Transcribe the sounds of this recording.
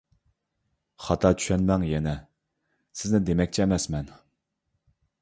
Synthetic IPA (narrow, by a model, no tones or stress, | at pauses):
χɑt̪ʰɑt͡ʃʰy̥ʃɛnmɛŋjɛnɛ | sɪznɪd̪emɛk̚ʲt͡ʃʰɛɛmɛsmɛn